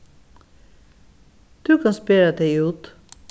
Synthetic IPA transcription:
d̪̥ʉːkʰɑnspeɹəd̪eʉːt̪

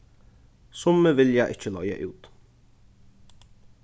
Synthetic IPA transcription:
sʊmːəʋɪljaɪʔɪc͡çəlœjə̰ʔʉ̰ːt̪

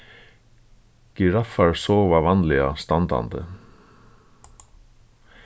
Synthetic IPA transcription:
ɡ̥ɪɾɑfɑɹsoːʋaʋɑnlɪast̪ɑnd̪ɑ̰nd̪ə̰

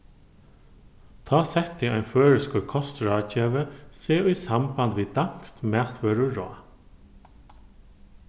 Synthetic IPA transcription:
t̪ʰɑːsɛht̪ːiajnføːɹɪskʊkʰɔst̪ɹaːt͡ʃɛːʋəseːujsambant̪ʋiːd̪aŋ̥kst̪mɛːt̪ʋœːɾʊɾɔ̰ː

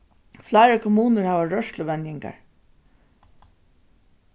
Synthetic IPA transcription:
flaɪɾəkʰɔmuːnəɹhaːʋaɹœʂlʊʋɛnjɪŋka̰ɹ

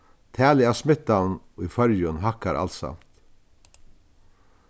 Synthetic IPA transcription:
t̪ʰæːlɪasmɪt̪ːan | ifœɾjʊnɦakaɾʔa̰lt̪sa̰mt̪

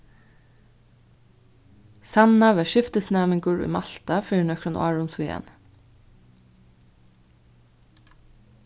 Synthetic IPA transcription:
sɑnɑʋæːʃɪft̪əsnæːməŋɡʊɹʉ̰ːmɑlt̪ɑfiːnœkʰɹʊnʊ̰ɑɹʊnsuɛ̰ːn

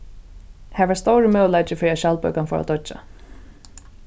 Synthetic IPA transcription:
hɛvast̪owɾɪmœːwlajt͡ʃɪfɪɾiaʃalpœɥkanfɔ̰ɾa̰d̪ɔt͡ʃːa̰

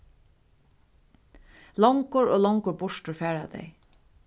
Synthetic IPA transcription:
lɔŋkʊɹoːlɔŋkʊɹbʊʂtʊɹfɛːɹad̪ḛj

